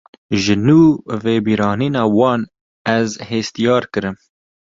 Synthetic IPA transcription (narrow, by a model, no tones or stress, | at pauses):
ʒɨnuːveːbiːɾɑːniːnɑːwɑːn | ɛzheːst̪ijɑːɾkɨɾɨm